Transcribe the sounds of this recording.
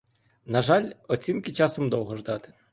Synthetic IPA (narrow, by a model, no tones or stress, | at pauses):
nɐʒɑlʲɔt͡sʲinkɪt͡ʃɑsɔmd̪ɔwɦɔʒd̪ɑt̪ɪ̥